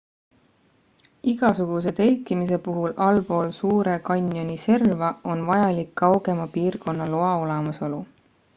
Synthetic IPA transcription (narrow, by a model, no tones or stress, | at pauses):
iɡ̥ɑsuɡ̥use̞t̪elʲkimis̬e̞puɦulɑlpo̞ːlsuːɾe̞kɑnʲjo̞nʲise̞rvɑo̞nvɑjɑlikːɑwɡ̥e̞mɑpiːrko̞nːɑloɑo̞lemɑso̞lu